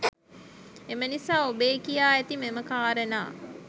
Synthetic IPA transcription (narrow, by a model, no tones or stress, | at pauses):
emənisaːobeːkijaːɛt̪imeməkaːɾəna̰ː